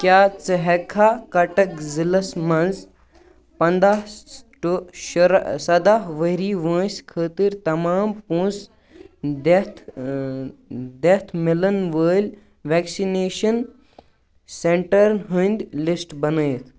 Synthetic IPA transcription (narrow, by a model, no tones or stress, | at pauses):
kjaːt͡səɦekʰaːkɐʈɐkzilɐsmɐnz | pɐnd̪aʈoʃɾsɐd̪aɦʋəɦɾiːʋə̃ːsʲkʰəːt̪iɾt̪ɐmaːmpũːs | d̪et̪ʰ | d̪et̪ʰmilɐnʋəːlʲ | ʋɛːksineːʃɐn | seɳʈɐɾɦə̃nd̪lisʈbɐnəjt̪ʰ